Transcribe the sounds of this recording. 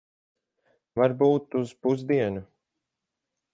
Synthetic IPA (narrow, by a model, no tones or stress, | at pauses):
vaɾbuːt̪uz̥puzd̪iɛnu